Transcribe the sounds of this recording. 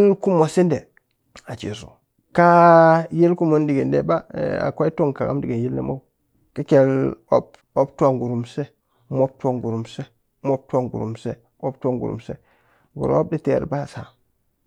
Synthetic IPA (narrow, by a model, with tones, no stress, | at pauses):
lku˦mo˨si˦nde˨ | a˨t͡ʃḛ˨sṵ˨ | ka˦je˦lku˦mo˦ndi˨ɡe˨ndḛ˦˨ba̰˦a̰˨kʷa˦i˦to˦ŋka˨ɡa̰˦mdi˦ɡe˨ji˦lːḛ˦mo̰˦ | ki˦ke˨lo˦p | o˦p̚tu˦a˨ŋɡu˨ɾu˨mse˦ | mo˦b̚tʷa˦˨ŋɡu˨ɾu˨mse˦ | mo˦b̚tu˦a˦˨ŋɡṵ˨ɾṵ˨mse˦ | mo˦p̚ta˦ŋɡṵ˨ɾṵ˨msḛ˦ | ɡṵ˨ɾo̰˦b̚di˦tḛ˨ɾba˦˨sa˨